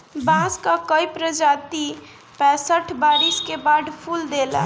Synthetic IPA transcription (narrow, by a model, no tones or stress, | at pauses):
bãskakəipɾəd͡ʒat̪i | pɛ̃səʈʰbaɾiskebad̪ʱpʰuld̪elɛ̰̃